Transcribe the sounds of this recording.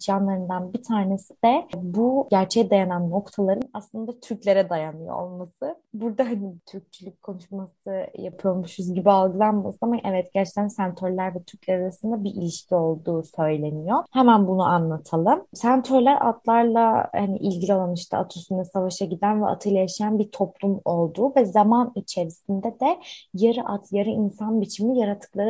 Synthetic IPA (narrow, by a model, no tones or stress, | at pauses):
t͡ʃʰanlˠaɾɯnd̪anbit̪ʰaːne̞sid̪̥ɛbuɟæɾt͡ʃʰɛd̪ajananːo̞kt̪ʰalˠaɾɯnaslˠɯnd̪at̪ʰyɾcʲlʲe̞ɾɛd̪ajanɯjo̰o̰lˠmasɯ | buɾd̪aɦanibt̪ʰyɾc̚t͡ʃʰylʲyc̚ʲkʰːo̞nuʃmasɯjapʰɯjo̞ɾmuʃuzɟibialˠɡɯlˠanmasɯamaʔɛvɛt̪ɟæɾt͡ʃlʰæninsænt̪ʰøɾlʲæɾvɛt̪ʰyɾcʲlʲɛɾaɾasɯnd̪abiʔilʲiʃcʰio̞lˠd̪uːsø̞jlʲe̞nijo̞hɛmænbunuʔanlˠat̪ʰalˠɯmsænt̪ʰøɾlʲæɾʔa̰t̪lˠaɾlˠahanḭʔilʲɟilʲalˠanɯʃt̪ʰa̰a̰t̪ʰusynd̪asavaʃaɟid̪ænvɛʔa̰t̪ʰɯjlˠajaʃajanbiɾt̪ʰo̞plˠumo̞lˠd̪uːvɛzamanit͡ʃʰe̞ɾisind̪ɛd̪ɛjaɾɯʔat̪jaɾɯinsanbit͡ʃʰimijaɾat̪ʰːɯ̥klˠaɾɯ